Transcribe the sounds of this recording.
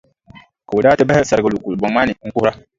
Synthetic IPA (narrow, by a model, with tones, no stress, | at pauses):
ka˨wu˨daː˦tɪ˦bɛ˦hɛ˦sa˨ɾɡa˨lu˨ku˨lbɔ˨˦ma˦nɪ˨ŋ̩˦ku˦hʊ˦ɾa˦